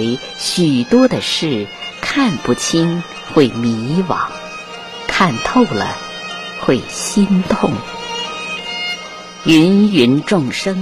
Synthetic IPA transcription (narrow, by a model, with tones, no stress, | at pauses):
ɪ | ɕy˨˩t̪wɔ˥d̪ə˨ʂɻ̩˥˩kʰa˥˧npu˥˩t͡ɕʰi˥n | xwe˥˩ɪmi˧˥wɑ̰˨˩˦ŋ | kʰa˥˧nt̪ʰo˥˩ʊlə̰˩ | xwe˥˩ɪɕi˥nt̪ʰʊ˥˩ŋ | ɥy˧˥nɥy˧˥nʈ͡ʂʊ˥˧˩ŋʂɤ˥ŋ